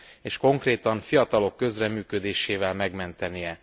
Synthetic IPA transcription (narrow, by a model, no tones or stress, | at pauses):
eːʃko̞ŋkreːt̪ɒɱfijɒt̪ɒlo̞kːø̞zrɛmyːkø̞d̪eːʃeːvɛlmɛɡmɛnt̪ɛnijɛ